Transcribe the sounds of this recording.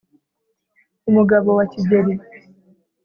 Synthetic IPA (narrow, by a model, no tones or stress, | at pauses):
umuɡaβowaciɟeɾi